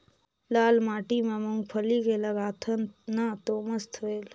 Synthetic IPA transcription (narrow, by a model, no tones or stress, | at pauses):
laːlmaːʈimẽmuŋɡpʰəlikeləɡaːt̪ʰənnat̪oməst̪ʰoeːl